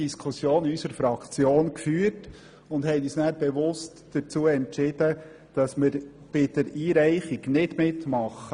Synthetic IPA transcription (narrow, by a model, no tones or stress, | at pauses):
iskʰʊsjoːnysəɾfɾɑkt͡sjoːnkfyːəɾt | ʊndhɛɪyːsnæːɾb̥ɛʋʊst | d̥ət͡suːəɛntt͡ʃɪd̥ə | d̥ɑsmɪɾ | b̥ɪd̥əɾiːɾɛɪχiɡnɪdmɪtmɑχə